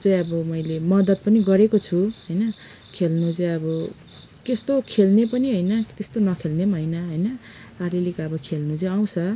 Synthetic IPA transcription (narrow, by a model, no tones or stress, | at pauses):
t͡sʌj̃ʌbʌmʌjlemʌd̪ʌt̪̚pʌniɡʌɾekot͡sʰuɦʌjnʌ | kʰelnut͡sʌj̃ʌbʌ | kest̪okʰelnepʌniɦʌjnʌt̪est̪onʌkʰelnemɦʌjnʌɦʌjnʌ | aɾilikʌbʌkʰelnũt͡sʌj̃aw̃t͡sʰʌ